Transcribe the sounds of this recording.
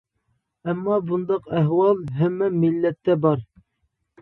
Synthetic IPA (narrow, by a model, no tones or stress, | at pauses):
æmːɑbund̪ɑqæɦwɑlˠɦæmːɛmilːɛt̪ːɛbɑɾ